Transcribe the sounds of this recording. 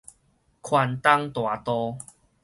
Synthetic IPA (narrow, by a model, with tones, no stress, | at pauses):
kʰwa˧nt̪a˦˧ŋt̪wa˨˩t̪ɔ˧